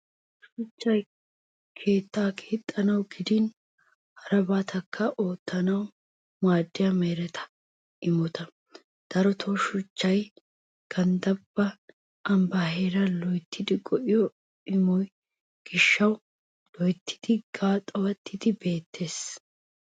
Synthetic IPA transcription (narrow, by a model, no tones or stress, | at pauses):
ʃʊt͡ʃːɐj | kʰe̞ːt̪ːaːkʰeːt̪ʼːɐnɐwɡɪd̪ɪn | hɐɾɐbaːt̪ʰɐkːɐʔoːt̪ːɐnɐw | maːd̪ːɪjɐmeːɾɛt̪ʰɐ̥ | ɪmɔt̪ʰɐ | d̪̥ɐɾɔt̪ʰɔʃʊt͡ʃːɐj | ɡ̥ɐnd̪ɐbːɐ | ɐmbaːheːɾɐlɔjt̪ʰːɪd̪ɪɡɔʔɪjɔ | ɪmɔj | ɡ̥ɪʃːɐw | lɔjt̪ːɪ̥d̪̥ɪɡ̥aːt̪ʼːɐwɐt̪ːɪd̪ɪbe̞ːt̪ʰːe̞ːs